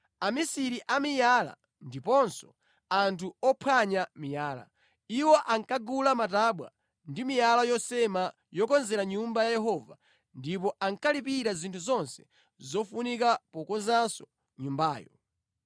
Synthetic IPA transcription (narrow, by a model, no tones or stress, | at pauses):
amisiɾiʔamijala̰ | ndipɔnsɔ̥ | antʰuɔpʰaɲamijaːla̰ | iwɔʔaŋkaɡulamataɓwa̰ | ndimijalajɔsɛma | jɔkɔnzɛɾaɲumbajajɛɦɔva | ndip̬ɔʔaŋkalipiɾazintʰuzɔnsɛ̥ | zɔfunikapɔkɔnzansɔ̥ | ɲumbaːjɔ̰